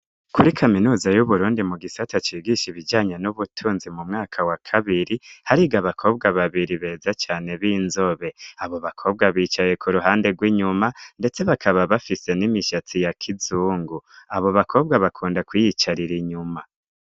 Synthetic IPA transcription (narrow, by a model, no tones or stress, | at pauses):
kuɾikʰaminuːzajuβuɾuːndimuɡisatat͡ʃiːɡiʃiβid͡ʒaːɲe̞nuβutʰuːnzimumŋaːkʰawakʰaβiɾihaɾiɡaβakʰo̞ːb̚ɡaβaβiɾiβe̞zat͡ʃaːne̞βinzo̞βe̞aβo̞βakʰo̞ːb̚ɡaβiːt͡ʃaje̞kʰuɾuɦaːnde̞ɡwiːɲumande̞t͡se̞βakʰaβaβafise̞nimiʃat͡sijakʰizuːŋɡuaβo̞βakʰo̞ːb̚ɡaβakʰuːndakwijit͡ʃaɾiɾiɲuma